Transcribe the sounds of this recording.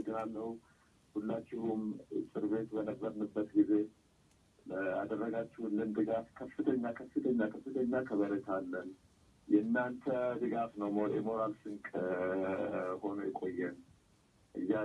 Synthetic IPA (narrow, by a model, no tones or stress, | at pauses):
d̪ʼɨnalːəw | hulːat͡ʃːɪhumsʼɨɾβe̞t̪bənəbːəɾnɨbːət̪ɡize̞ | əa̰d̪ərːəɡat͡ʃːɪhulːɨnd̪ɨɡafkʰəfːɨt̪ʰəɲːakʰəfːɨt̪ʰəɲːakʰəfːɨt̪ʰəɲːakʰəβəɾət̪ʰalːən | jɛnːant̪ʰəd̪ɨɡafnəwmoʔḛmoɾalsɨŋkʼ | ho̞nəjɛkʼo̞jːɛn | ʔɨjːa